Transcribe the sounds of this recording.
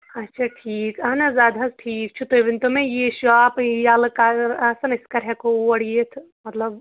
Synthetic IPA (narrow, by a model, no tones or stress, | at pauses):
ɐtːʃʰaʈʰiːkɐnɐzaːd̪ʱɐsʈʰiːk̚t͡ʃʰut̪ojʋɪnt̪omẽjeʃuaːpjaːlɐkaɾaːsɐnɪskɐɾɦɛkoɐɽijet̪ʰ | mɐt̪lɐb